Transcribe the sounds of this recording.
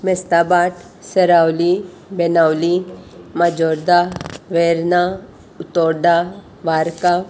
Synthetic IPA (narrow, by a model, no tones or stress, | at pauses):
mest̪aːbaːʈ | sɐɾaːwli | benaːwlimad͡ʒɔːɾd̪aʋeɾna | ʊt̪ɔːɾd̪a | ʋaːɾka